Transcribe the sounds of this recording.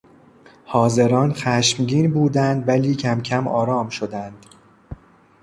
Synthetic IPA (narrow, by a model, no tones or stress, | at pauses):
hɒːze̞ɾɒːnxæʃmɟiːnbuːd̪ænd̪væliːcʰæmcʰæmʔɒ̰ːɾɒːmʃod̪ænd̪̥